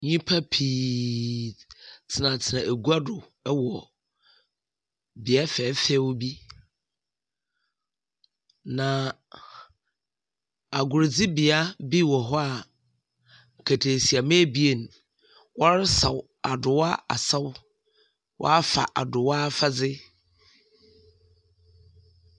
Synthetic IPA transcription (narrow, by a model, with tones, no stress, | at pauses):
ɲĩ˦pʰa˦pʰiː˨ | tʰɪ˨nã˨tʰɪ˨nã˨ʔæ˨ɡu˦a˦dʊ˨ | ɛ˦wɔ˨ | bɪ˨a˦fɛː˨˦fɛ˦wbi˦ | nã˨ | a˨ɡʊ˨ɾd͡zɪ˦bi˨a˦bi˦wɔ˨ɦɔ˦a˨ | ŋ̩˨kʰæ˨tʰe˨si˨a˨mẽ˦bi˦e˨n˨ | wɔ˦ɾɪ˦sa˨w | a˨dʊ˨wa˦a̰˨sa˦w | wʔɔ̰˦a˦fa̰˨ʔa̰˨dʊ˨wa˦fa˦d͡zɪ˦